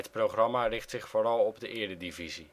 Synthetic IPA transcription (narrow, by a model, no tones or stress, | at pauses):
ətprowχrɑmarɪχtsɪχfoːrɑlˠɔbdəʔɪːɹdədivizi